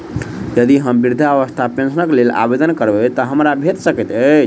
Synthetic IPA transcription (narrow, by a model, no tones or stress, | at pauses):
jəd̪iɦəmbiɾd̪ʱaəʋəst̪ʰapẽnsənəklela̰bed̪ənkəɾbet̪əɦəmɾabʱet̪səkət̪ət͡ʃʰ